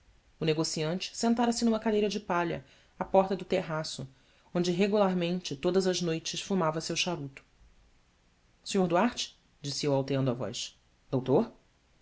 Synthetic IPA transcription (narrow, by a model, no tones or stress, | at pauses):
ʊneɡosiɐ̃nt͡ʃɪ̥sẽnt̪aɾɐsɪnũmɐkad̪ejɾɐd͡ʒɪpaʎɐ̰ | apɔɾt̪ɐd̪ʊt̪eɦasʊ | õnd͡ʒɪɦeɡulaɾmẽnt͡ʃɪt̪od̪ɐzɐʒnojt͡ʃɪʃfumavɐsewʃaɾut̪ʊ̥ | sĩɲoɾd̪uaɾt͡ʃɪ̥ | d͡ʒisɪewawt̪eɐ̃nd̪ʊavɔ̰jʃ | d̪owt̪oɾ